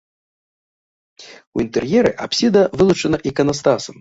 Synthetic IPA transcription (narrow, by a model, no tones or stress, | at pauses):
uint̪ɨrjɛɾɨ̰ʔa̰psʲid̪ɐvɨlˠut͡ʂɨnɐʔikɐnast̪asɐm